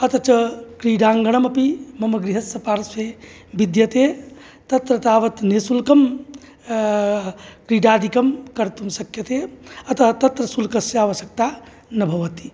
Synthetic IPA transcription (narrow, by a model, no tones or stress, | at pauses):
ɐt̪ɐt͡ʃɐkɾiːɖaːŋɡɐɳ̃ɐmɐpimɐmɐɡɾiɦɐsɐpaːɾse | bid̪jɐt̪e | t̪ɐt̪ɾɐt̪aːʋɐt̪neːsulkɐm | kɾiːɖaːd̪ikɐmkɐɾt̪umsɐkjɐt̪eɐt̪ɐt̪ɐt̪ɾɐsulkɐsjaːʋɐsɐk̚t̪aː | nɐbʱɐʋɐt̪i̥